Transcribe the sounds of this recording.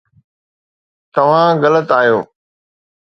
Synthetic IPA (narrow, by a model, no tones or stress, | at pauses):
t̪ɐʋ̤ãɣɐlət̪aːijoː